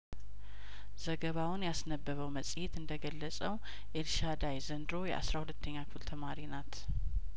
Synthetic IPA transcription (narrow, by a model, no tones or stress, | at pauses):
z̥əɡəβawʊnjasnəbːəβəwməsʼjet̪ɨnd̪əɡəlːəsʼəw | ʔelʃad̪ajzənd̪ɨɾo̞jɛ̰ʔa̰sɾahulət̪ʰːəɲːakʰult̪ʰəmaɾinat̪